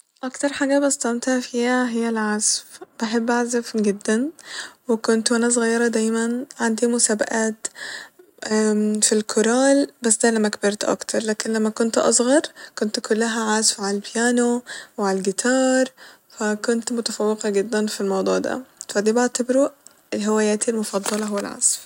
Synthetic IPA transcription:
ʔɑkt̪ɑɾˤħaːɡæbɪst̪æmt̪hæʕfiːhæɦɪjːælʕazfb̥aħebːʔaʕzafɡɪd̪ːænwɪkont̪wʔænæs̬ˤɣɑjːɑɾˤɑd̪æjmænʕand̪imʊsaːba̰ʔaːt̪ | filkʰoɾɑːlbasːd̪æːlæmːækbɪɾˤt̪ʔɑ̰kt̪ʰɑɾˤlaːkɪnlæmːækʊnt̪ʔɑ̰sˤɣɑɾˤkʊnt̪kʊlːaɦæʕazfʕaalbjaːnowʕalalɡɪt̪ʰɑːɾˤ | fakʊnt̪mʊt̪afawːɪqɑɡɪd̪ːænfilmɑwd̪ˤuːʕd̪æ̰fæd̪iːbɪʕt̪abɾu | ʔɪlɦɪwaːjaːt̪ialmʊfɑd̪ˤːɑlɑɦʊwːa̰lʕa̰z̥f

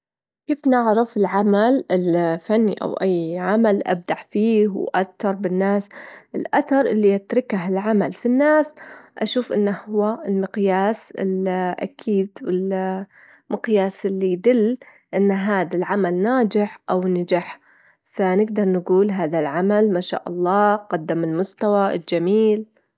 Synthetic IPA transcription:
keːfnɪʕɾɑfɪlʕamalɪlfanːiʔa̰wʔajːʕamalʔa̰b̚d̪aʕfiːhwʔat̪ːɑɾˤbɪnːaːsʔɪlʔaθɑɾˤʔɪlːiʔat̪ɾɪkaɦɪlʕamalfinːaːsʔaʃuːfʔɪ̰nːahʊwːaɪlmɪqjaːsɪ̰lʔa̰kʰiːd̪wɪl | mɪqjaːsɪlːijd̪ɪlː | ʔɪnːɦaːðalʕamalnaːd͡ʒɪħʔawnad͡ʒaħ | fanɪɡd̪ɑɾˤnɡuːlɦaːðalʕamalmaʃa̰ːʔɑ̰lˤːɑːqɑd̪ːamɪlmʊst̪awaʔɪ̰ld͡ʒamiːl

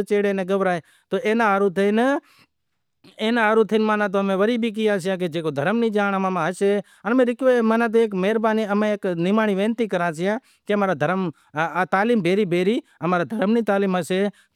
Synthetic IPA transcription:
t͡ʃeːɽeːnẽɡəʋɾaːe | t̪oːʔeːnãəɾut̪ʰən | eːnãːəɾut̪ʰənmaːnãːt̪̬oəmẽʋəɾiːbʱik̬ɪjãːt͡ʃʰɪjãːk̬ed͡ʒeːkoːd̪ʱəɾəmniːd͡ʒaːɳəmãmãɦəʃeː | ənmẽːɾɪkʋemaːnãːt̪̬oeːk̬meːɾbaːniəmẽeːknɪmaːɳ̃iːʋẽːnt̪ikəɾãːt͡ʃɪjãː | keəmaːɾaːd̪ʱəɾm | aːt̪aːliːmbʱeːɾiːbʱeːɾiːəmaːɾad̪ʱəɾəmniːt̪aːliːməʃeːt̪

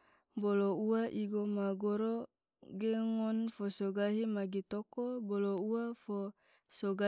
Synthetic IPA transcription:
bolouwaʔiɡomaɡoɾo | ɡeŋɔnfosoɡaɦimaɡit̪okobolouafo | soɡa

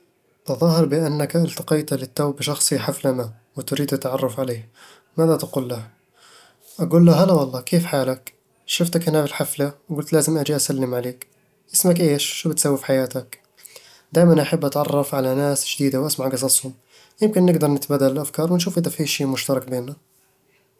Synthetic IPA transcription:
ʔ̪ɑðˤɑːhɑɾˤbɪʔanːakʔalt̪ɑ̥qɑjt̪lɪt̪ːawbɪʃɑxsˤiħaflana | wɪt̪ɾiːd̪ɪt̪ːʕɑrˤːɑfʕaleːh | maːðat̪aɡuːlːah | ʔaɡuːlːaɦalawɑlˤːɑːkeːfħaːlak | ʃʊft̪akhɪnabɪlħaflawɡʊlt̪laːzɪmʔad͡ʒiʔasalːɪmʕaleːk | ʔɪsmakʔeːʃʃuːbɪt̪sawːɪfħajaːt̪ak | d̪aːjmanʔaħabːʔat̪ʕɑrˤːɑfʕalanaːsʒ̥d̪iːd̪awʔasmaʕɡɑs̬ˤɑsˤhʊm | jɪmkɪnːɪɡd̪ɑɾˤnɪt̪baːd̪ːalɪlʔafkɑːɾˤwɪnʃ̬uːfʔɪd̪afiːʃiːʔmʊʃt̪ɑɾˤɑkbeːnːa

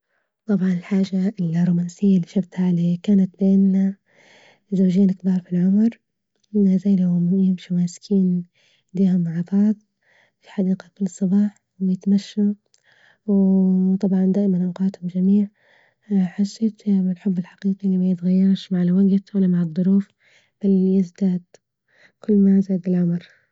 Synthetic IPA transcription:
t̪ˤɑbʕɑnɪlħaːʒaɪlrˤːuːmaːnsɪjːalːiʃabt̪ʕalekaːnat̪̚beːna | zawʒeːnɪkbɑːɾˤfilʕʊmɾ | azaːjlahmjɪmʃumaːskʰiːn | d̪iːhʊmːaʕbɑːd̪ˤ | fi̥ħɑd̪iːqakʊlːsˤɑbɑːħ | wjɪt̪maʃːa | wt̪ˤɑbʕɑnd̪aːʔɪmanʔawqɑːt̪hʊmd͡ʒamiːʕ | ħasːeːt̪mɪlħʊbːɪlħḁqiːqiʔɪlːimajɪt̪ɣajːɑɾˤʃmaʕɪlwaɡt̪wʔɪlːamaʕɨd̪ˤːʊɾuːf | b̥aljɪzd̪aːd̪ | kʊlːmazaːd̪ɪlʕʊmɾ

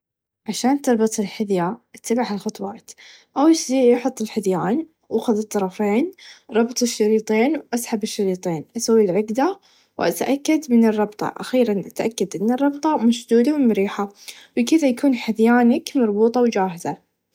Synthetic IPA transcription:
ʕaʃaːnt̪ɨɾˤbɨt̪ˤɪlħɪðjaʔat̪ːabaħalxɑt̪ˤwɑːt̪ | ʔawsiːʔjɪħʊt̪ˤːɪlħɪðjaːn | ʔaxʊðɨt̪ˤːɑɾˤɑfeːnɾˤɑbt̪ˤɪʃːɑɾiːt̪ˤeːnwʔasħabɪʃːɑɾiːt̪ˤeːnʔasawːilʕɪɡd̪a | wʔa̰t̪ʔakːad̪mɪnɨrˤːɑbt̪ˤɑ̰ʔa̰xiːɾanʔat̪ʔakːad̪ʔɪnːɨrˤːɑbt̪ˤɑmaʃd̪uːd̪awmʊɾiːħa | wɪkɪðajakuːnħɪðjaːnakmɑɾˤbuːt̪ˤɑwd͡ʒaːɦɪza

